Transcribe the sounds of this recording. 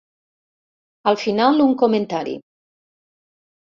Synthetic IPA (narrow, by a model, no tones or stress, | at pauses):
əlˠfinaluŋkoment̪aɾḭ